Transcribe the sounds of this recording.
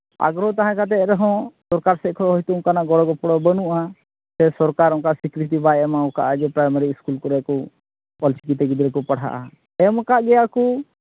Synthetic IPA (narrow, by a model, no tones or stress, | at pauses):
a̰ɡɾɔt̪aɦãkat̪̬ɛɾɛɦɔ̃sɔɾkaɾsɛʔkʰɔɦɔjt̪ukanaʔɡɔɽɔɡɔpɔɽɔbənuʔaa | sɛsɔɾkaɾɔ̃kasikɾit̪̬ibajɛmaɔ̃ka̰ʔad͡ʒɛpɾajmaɾiskulkɔɾɛkɔ | pɔlsikit̪ɛɡid̪ɾɛkɔpaɽ̤a̰ʔa̰ | ɛmɔkaʔɡɛaku